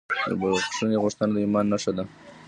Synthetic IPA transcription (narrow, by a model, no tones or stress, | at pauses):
bəʂəneɣʊʂt̪ənad̪əimɑnːaʂad̪a